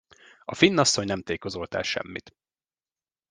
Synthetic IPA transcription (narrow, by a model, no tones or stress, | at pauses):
ɒfinːɒsːoɲnɛmt̪eːko̞zolt̪ɛ̰lʃɛ̰mːḭt̪